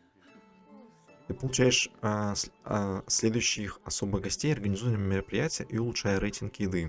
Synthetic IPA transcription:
t̪ɨpəlˠʊt͡ɕæjɪʂ | sʲlʲed̪ʊjʉɕːɪixɐso̞bɨɣɡɐsʲtʲejɐrɡənʲɪzuvənəmʲɪɾəpɾʲɪjætʲɪjəʔiʊlˠʊtʂajəɾejtʲɪnkjɪd̪ɨ

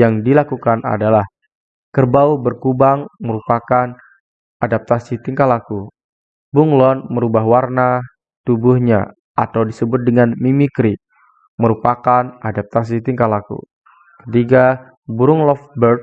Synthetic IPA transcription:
jaŋdilakukana̰dalah | kərbaubərkubaŋməɾupakan | ʔadap̚t̪asit̪iŋkalaku | buŋlɔnməɾubaɦwarna | t̪ubuhɲa | a̰t̪awdisəbʊt̪̚dəŋanmimikɾi | məɾupakanʔadap̚t̪as̬it̪iŋkalakṵ | kə̥t̪iɡa | buɾʊŋlɔfbərt̪

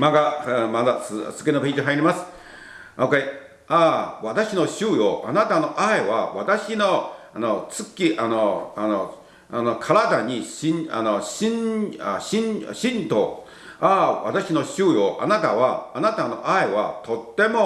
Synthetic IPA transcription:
maɡamad̪asɨz̥ɨke̞nopʲeːd͡ʑiɦaiɾʲimasɨ̥ | oke | aβat̪aɕino̞ɕɨːjoʔanat̪ano̞ʔaeβaβat̪aɕino̞anot͡sɨkʲːiʔanoano | anokʰaɾad̪aɲ̟iɕĩa̰noɕĩna̰ɕĩnɕĩnt̪o | aβa̰t̪aɕino̞ɕɨːjoʔa̰nat̪aβaːnat̪ano̞̰ʔaeβa̰t̪o̞t̪ːe̞mo̞

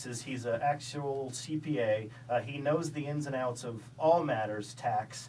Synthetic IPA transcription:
sɨz̥izɨʔæk̚t͡ʃul̩ˠsipʰieɪ | inoʊzðiɛ̃nzɨ̃naʊtsʌv | ɔlˠmæɾə˞z̥tʰæks

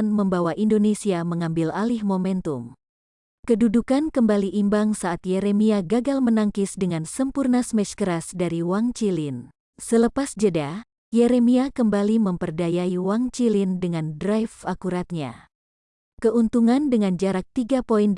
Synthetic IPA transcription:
nməmbawaʔindonesiaməŋambɪlalɪhmomɛnt̪um | kədudukankəmbaliʔimbaŋsaːt̪jɛɾemiaɡaɡalmənaŋkɪsdəŋansəmpurnasmɛt͡ʃkəɾasdaɾiwaŋt͡ʃilɪn | sələpasd͡ʒəda | jɛɾemiakəmbaliməmpərdajaiwaŋt͡ʃilɪndəŋandɾajfakuɾat̪̚ɲa̰ | kəʔunt̪uŋandəŋand͡ʒaɾak̚t̪iɡapoin

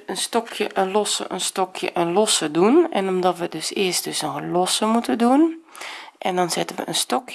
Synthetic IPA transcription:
ənstɔkʰjəʔənlɔsə̰ʔənstɔkʰjə̰ʔənlɔsədunɛnɔmdɔtʋədøsɪːəst̚d̥øsɔxəlɔsəmutəndun | ʔɛndɔnzɪtənʋə̰ʔənstɔk

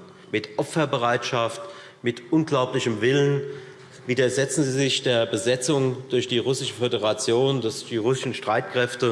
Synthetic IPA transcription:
mɪtʔɔpfɐbəʁaɪtʃaft | mɪtʔʊnɡ̥laʊplɪçəmvɪlən | viːdɐzɛt͡sn̩ziːzɪçd̥eːɐbəzɛt͡sʊŋd̥ʊɐçd̥iːʁʊsɪʃəfødəʁat͡sjoːndosd̥iːʁʊsɪʃn̩ʃtʁ̥aɪtkʁ̥ɛftə

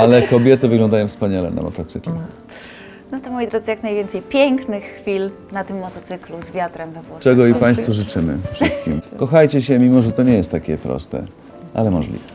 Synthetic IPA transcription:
alɛkɔbʲjɛt̪ɘvɘɡlɔ̃nd̪ajɔ̃w̃fspaɲalɛ̰na̰mɔ̰t̪ɔt̪sɘklu | nɔt̪ɔmɔjid̪ɾɔd̪zɘjaknajvjɛnt̪sɛjpʲjɛŋknɘxxfʲil | nat̪ɘmːɔt̪ɔt̪sɘkluzvʲjat̪ɾɛmvɛvwɔt͡ʂɛɡɔipaj̃st̪fuʐɘt͡ʂɘmɘ̰fʂɘst̪kʲimkɔxajt͡ɕɛɕɛmʲimɔʐɛt̪ɔɲɛjɛst̪ːakʲɛpɾɔ̰st̪ɛ̰ | ʔa̰lɛmɔʐlʲḭvɛ

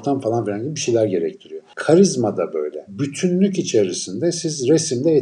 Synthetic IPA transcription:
t̪ʰamfalˠanfilʲaɲɟibibiʃejlʲæɾɟe̞ɾɛct̪ʰiɾijokʰaɾizmad̪abø̞̰jlʲɛ̰byt̪ʰynlʲycit͡ʃʰeɾisind̪ɛsizɾesimd̪ɛː

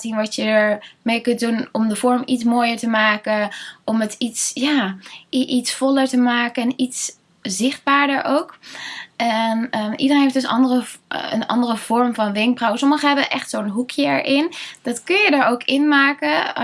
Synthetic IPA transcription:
tinʋɑtjəəɹmejkɵntdunɔmdəvɔɹmitsmoːjəɹtəmaːkəʔɔmətitsjaːʔitsfɔləɹtəmaːkəɛnits | zɪχd̚baːɹdəɹʔowkʔɛnəʔḭdəɾrenɦeɪftd̥əsɑ̰ndərəə̰nɑ̰ndərəv̥ɔɹmvɑnʋɪŋk̚brawəsɔməχəɦɛbəʔɛχtsoːnɦukʰjəɛ̰ɹʔɪnd̥ɑtkɵnjədaːɹowkɪnmaːkə

